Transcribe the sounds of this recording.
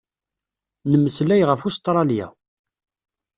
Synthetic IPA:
nəmːəslæjʁəfust̪ɾˤɑlja̰

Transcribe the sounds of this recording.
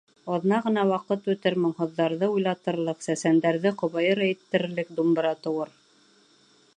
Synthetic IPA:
ɑðnɑʁɤ̆nɑwɑqɤt̪ʉt̪ɘɾmŏɴhŏðːɑɾðɤujlˠɑt̪ɤ̆ɾlˠɤqsæsænd̪æɾðɘqŏβɑjɤɾɑit̪ːɘ̆ɾɘ̆ɾlɘk̚d̪umbɤ̆ɾɑt̪ɤ̆wɤɾ

